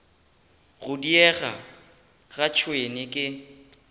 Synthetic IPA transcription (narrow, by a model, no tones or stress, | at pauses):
ɣʊdiɛɣa̰ | ɣat͡ʃʰwenɪkʼɪ